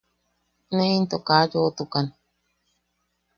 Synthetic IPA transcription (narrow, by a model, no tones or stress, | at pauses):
neint̪okad͡ʒot̪ukan